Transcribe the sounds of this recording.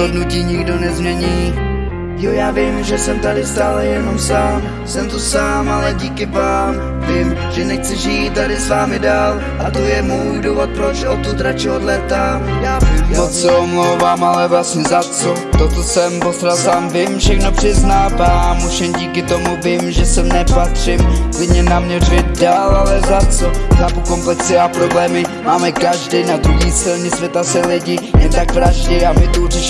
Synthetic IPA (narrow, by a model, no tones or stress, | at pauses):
odnuciːɲɪɡdo̞nɛzmɲɛɲiː | jojaːvɪmʒɛsɛmt̪adɪst̪aːlɛjɛno̞msaːm | sɛmt̪osaːmalɛɟiːkɪvaːm | vɪmʒ̥ɛnɛxt͡sɛʒiːt̪̚t̪ːadɪsvaːmɪdaːl | ʔat̪ojɛmuːjduvot̪̚pɾot͡ʃɛot̪ut̪ɾat͡ʃɪodlɛt̪a | jaɪvot̪sɛomlowvaːmalɛvlasɲɛzat͡sot̪ot̪osɛmpost̪ɾalsaːmvɪmfʃɛxno̞pr̥ɪznaːvaːmoʃɛmɟiːkɪt̪omuvɪmʒɛsɛmnɛpat̪r̝̥ɪmklɪdɲɛnamɲɛrɪjɛt̪daːlʔalɛzat͡sozaːpuko̞mplɛksɪapɾo̞blɛːmɪmaːmɛkaʒdɪnad̪ɾuɦiːsɪlɲɛsvʲjɛt̪asɛlɪɟɪjɛnt̪akvɾaʒɟɪamɪt̪urɪʃ